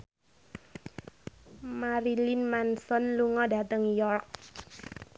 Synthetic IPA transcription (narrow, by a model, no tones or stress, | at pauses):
maɾilinmansɔnluŋɔda̤t̪əŋjɔrk